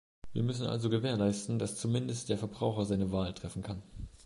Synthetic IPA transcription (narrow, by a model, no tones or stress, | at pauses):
viːɐmʏs̬n̩ʔa̰lzoɡəveːɐlaɪstn̩dast͡sumɪndəst̚d̥eːɐfɛɐbʁaʊxɐzaɪnəvaːltʁ̥ɛfn̩kʰan